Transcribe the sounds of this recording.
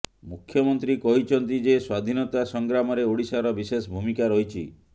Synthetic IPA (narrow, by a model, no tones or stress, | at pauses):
mukʰːjɔmɔnt̪ɾikɔɦit͡ʃʰɔnt̪id͡ʒeswad̪ʱinɔt̪asɔŋɡɾamɔɾeoɽisaɾɔbisesbʱumikaɾɔɦit͡ʃʰi